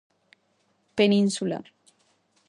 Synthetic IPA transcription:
peninsula̰

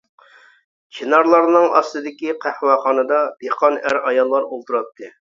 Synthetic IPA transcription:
t͡ʃʰinɑɾlˠɑɾnɨŋʔɑ̰st̪ɨd̪ɪkʲiqʰæhwɑχɑːnɨd̪ɑb̥eqʰɑnæɾɑjɑlˠːɑɾolˠt̪ʰuɾɑp̚t̪ʰːɨ

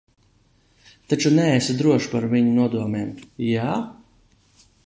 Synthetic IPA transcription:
t̪at͡ʃunɛesad̪ɾuɔʃpaɾviɲunuɔd̪uɔmɛːmjaː

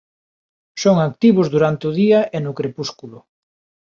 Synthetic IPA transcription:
soŋak̚t̪iβʊzðuɾant̪eʊðiaʔenʊkɾepuskulʊ

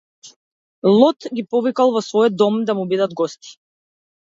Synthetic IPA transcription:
lˠɔt̪ɡʲipɔvikalˠvɔsvɔjɔd̪d̪ːɔmd̪amubid̪ad̪ɡɔst̪i̥

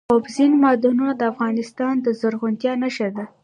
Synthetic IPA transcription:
obzinmɑd̪ununad̪əafɣɑnɪst̪ɑnd̪əzaɾɣʊnt̪jɑnaʃaɾd̪a

